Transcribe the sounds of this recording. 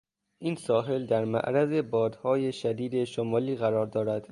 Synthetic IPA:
ʔiːnsɒːɦe̞ld̪æɾmæ̰ʔɾæze̞bɒːd̪hɒːjeʃæd̪iːd̪e̞ʃomɒːliːɣæɾɒːɾd̪ɒːɾæd̪̥

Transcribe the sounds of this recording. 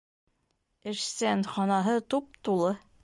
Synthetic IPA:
ɘ̆ʃsænχɒnɑɦɤt̪up̚t̪ulˠɤ

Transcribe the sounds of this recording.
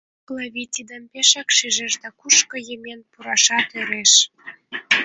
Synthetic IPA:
klɑβʲit̪ʲid̪əmpeʃɑkʃiʒĕʒd̪ɑkuʃkɤ̆jemenpuɾɑʃɑt̪øɾeʃ

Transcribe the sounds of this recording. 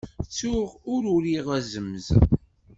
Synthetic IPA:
t͡sːʊʁʊɾʊɾiʁæzəmːz

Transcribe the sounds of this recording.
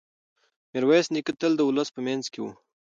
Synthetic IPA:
meɾwasnikət̪əld̪əʊləspəmanzkewṵ

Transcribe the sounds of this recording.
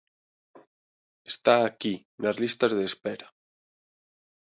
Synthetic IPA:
est̪aːki | nazlist̪azðespɛɾa

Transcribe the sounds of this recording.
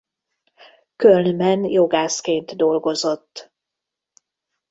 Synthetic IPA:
kølnmɛnjo̞ɡaːskeːnt̪d̪o̞lɡo̞zo̞t̪ː

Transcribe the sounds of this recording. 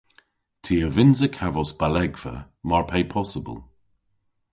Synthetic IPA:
tʰiːəvɪnzəkʰavɔsb̥alɛɡv̥ə̰ | maɹpʰejpʰɔsəbə̰lˠ

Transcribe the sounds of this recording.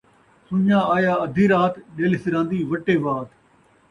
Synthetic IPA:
sʊɲãːaːjaːɐd̪ʱiːɾaːt̪ɗeːlɪsɪɾãːnd̪iːʋɐʈːeːʋaːt̪

